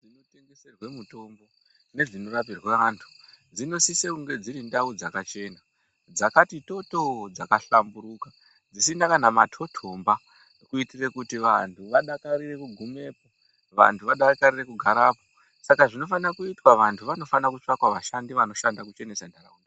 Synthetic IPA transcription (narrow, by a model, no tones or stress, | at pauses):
ʐino̞teŋɡeserwemuto̞mbo̞ | ne̞ʐino̞ɾap̬irweʋantʰu̥d͡zino̞sisekuŋɡe̞d͡ziɾindaud͡zakat͡ʃe̞na | d͡zakatito̞to̞d͡zakaɬambuɾuːka | d͡zis̬inakanama̰tʰo̞tʰomba | kuitire̞kutiʋantʰuʋaɗakaɾire̞kuɡʱume̞ːpo | ʋa̰ntʰuʋaɗarkarire̞kuɡʱaɾaːpo | sakaʐino̞fanakuitwaʋantʰuʋano̞fanakut͡ʂakwaʋaʃandiʋano̞ʃandakut͡ʃe̞ne̞sandʱara̰unda